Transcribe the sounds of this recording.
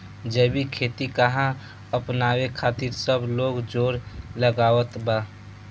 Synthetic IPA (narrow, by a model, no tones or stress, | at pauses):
d͡ʒəbikʰeːt̪ikəɦã | əpnaːwekʰaːt̪iɾsəbloːɡd͡ʒoːɾləɡaːʋət̪ba